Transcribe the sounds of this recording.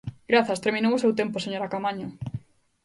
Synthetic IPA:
ɡ̥ɾaθɐst̪eɾminowʊsewt̪empʊseɲoɾakamaɲʊ

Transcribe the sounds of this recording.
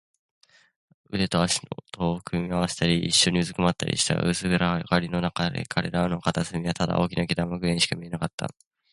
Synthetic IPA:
ɯ̟d̪e̞t̪o̞aɕi̥not̪oːkɯ̟mʲiaβase̥t̪aɾʲḭːɕːo̞ɲ̟iɯ̟zɨkɯ̟mat̪ːa̰ɾʲḭɕi̥t̪a̰ʔɯ̟sɨɡɯɾakaɾʲino̞nakad̪e̞̰kʰaɾe̞̰ɾano̞kat̪asɨmʲiβat̪ad̪a̰ʔo̞ːkʲinaɡʲit̪amoɡɯ̟ẽɕi̥kamʲie̞nakat̪ːa̰

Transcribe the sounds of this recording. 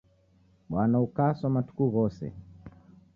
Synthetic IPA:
ɓwanaukasamatu̥kuɣɔsɛ̰

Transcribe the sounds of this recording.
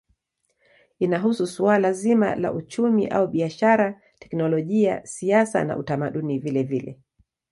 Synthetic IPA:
inaɦususualazima̰la̰ʔut͡ʃumiʔa̰uɓiaʃaɾa | tɛ̥knɔlɔʄia̰siasa̰na̰ʔutamaɗunivilɛvilɛ̰

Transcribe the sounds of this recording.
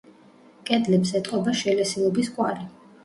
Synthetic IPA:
kʼɛd̪lɛpsɛt̪ʼqʼɔbaʃɛlɛsilˠɔbiskʼwaɾi

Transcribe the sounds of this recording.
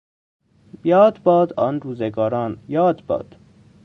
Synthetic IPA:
jɒːd̪bɒːd̪ɒːnɾuːzeɡɒːɾɒːnjɒːd̪bɒ̰ːd̪̥

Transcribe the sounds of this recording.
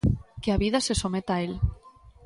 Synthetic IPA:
keaβiðasesomet̪ael

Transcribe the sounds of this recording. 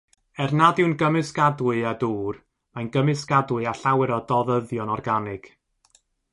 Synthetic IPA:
ɛrnadɪwnɡəmɨsɡadwɨaduːr | manɡəmɨsɡ̥adwɨaɬawɛɾɔdɔðəðjɔnɔrɡanɪɡ̥

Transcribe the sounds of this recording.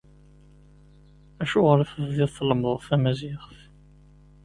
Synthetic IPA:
æʃʊʁəɾæfəvðɪðθləmðˤfæmæzɪχf

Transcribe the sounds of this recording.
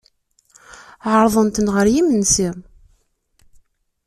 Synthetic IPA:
ʕəɾˤðˤənt̪ənʁəɾjimənsim

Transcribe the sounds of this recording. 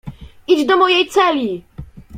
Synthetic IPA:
ʔid͡ʑd̪ɔmɔjɛjt̪sɛlʲi

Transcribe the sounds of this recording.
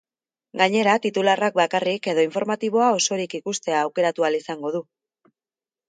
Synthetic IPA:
ɡaɲe̞ɾat̪it̪ularak̚bakarike̞ðo̞iɱfo̞ɾmat̪iβ̞o̞ao̞so̞ɾikikust̪e̞aːwke̞ɾat̪ualisaŋɡo̞ð̞u

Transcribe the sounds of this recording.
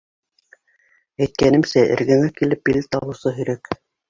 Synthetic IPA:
æjt̪̚kænɘmsæʔɘ̰̆ɾɡæ̆ŋækilɘp̚bilɘt̪ɑβɤ̆wsɤɦɵ̆ɾæk

